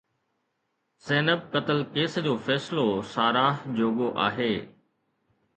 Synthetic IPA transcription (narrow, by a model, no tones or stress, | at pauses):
seːnəb̚kɐt̪əlkeːsd͡ʑoːfɛːslosaːɾaːɦd͡ʑoːɠoʔa̰ːɦeː